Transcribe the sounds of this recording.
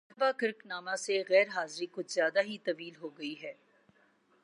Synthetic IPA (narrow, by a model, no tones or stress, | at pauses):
ʋakɪɾknaːmãseɣɛːɾɦaːzɾikʊd͡ʒzjaːd̪aɦit̪ɐʋiːlɦoːɡɐiɦɛː